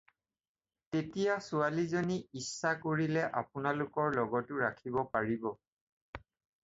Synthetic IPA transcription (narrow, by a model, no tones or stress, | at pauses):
tetijasualizoniisːakoɹilɛʔa̰pʊnalʊkɔɹlɔɡɔtʊɹakʰibɔpaɹibɔ